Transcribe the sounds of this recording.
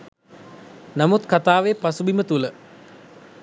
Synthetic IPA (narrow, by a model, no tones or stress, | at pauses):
namut̪kat̪aːʋepasubimət̪ulə